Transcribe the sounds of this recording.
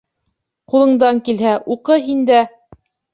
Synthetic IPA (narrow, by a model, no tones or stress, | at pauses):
qulˠɤ̆ɴd̪ɑŋkilɦæʔuqɤɦind̪æ